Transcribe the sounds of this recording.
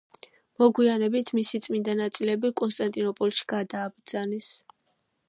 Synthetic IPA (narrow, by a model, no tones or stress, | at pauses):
mɔɡwianɛbit̪ʰmisit̪sʼmind̪anat̪sʼilɛbikʼɔnst̪ʼant̪ʼinɔpʼɔlˠʃi̥ɡ̥ad̪aːbɾd̪z̥anɛs